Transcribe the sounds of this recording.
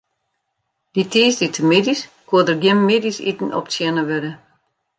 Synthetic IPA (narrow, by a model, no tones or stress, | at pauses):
d̥itʰiːsditʰəmɪdiskuədərɡjɪmːɪdisḭtn̩ɔ̰p̚t͡sjɛnəʋødə